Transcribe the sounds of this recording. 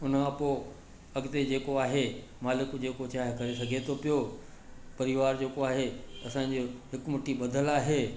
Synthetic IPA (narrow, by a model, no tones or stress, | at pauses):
ʊnkãpoː | ɐɡt̪ed͡ʑeːkoaːɦe | maːlɪkd͡ʑeːkot͡ɕaːɦɪkɐɾes̬ɐɡʱet̪ʰopijo | pɐɾɪʋaːɾd͡ʑeːkoaːɦeɐsãɲ̆d͡ʑoɦɪkmʊʈiɓɐd̪ʱəlaːɦeː